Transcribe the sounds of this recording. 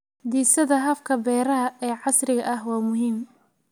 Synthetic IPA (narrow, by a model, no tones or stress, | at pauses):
d̪iːsɐðɐɦɐfkʰɐbɛːɾɐɦɐʔɛːʕɑsrɪɣɐʔɐhwɑːmʊɦiːm